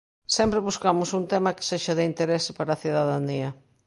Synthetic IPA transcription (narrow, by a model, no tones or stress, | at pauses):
sɛmpɾeβuskamʊsunt̪emɐke̥seʃɐðɪint̪eɾesɪ̥paɾaθiðaðaniɐ